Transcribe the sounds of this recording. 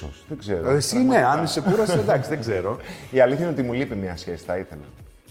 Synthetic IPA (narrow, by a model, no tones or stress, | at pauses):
osðeɡzeɾoesineɐnesekuɾɐsed̪ɐksiðeɡzeɾo̞iɐliθçɐineot̪imulipimɲɐsçe̞si̥θɐiθḛlɐ̰